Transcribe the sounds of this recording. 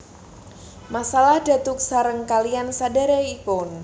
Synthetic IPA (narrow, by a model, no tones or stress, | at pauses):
masalahda̤t̪ʊk̚saɾəŋkaliansadaɾaikʊn